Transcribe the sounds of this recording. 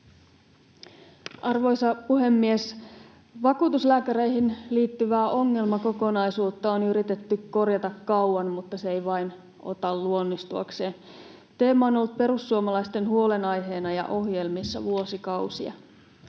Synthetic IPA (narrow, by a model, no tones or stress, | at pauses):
ɑrʋo̞jsɑpuɦe̞mːies | ʋɑkuːt̪uslæːkæɾe̞iɦinliːt̪ːyʋæːʔo̞ŋːe̞lmɑko̞ko̞nɑjsuːt̪ːɑonyɾit̪e̞t̪ːykko̞rjɑt̪ɑkːɑuwɑnmut̪ːɑseejʋɑjn | o̞̰t̪ɑlluo̞nːist̪uɑ̰kse̞ːn | t̪e̞ːmːɑonolːut̪̚pe̞ɾusːuomɑlɑist̪e̞nhuo̞le̞nɑjɦe̞ːnɑjɑ̰ʔo̞hje̞lmisːɑʋuo̞sikɑwsiɑ̰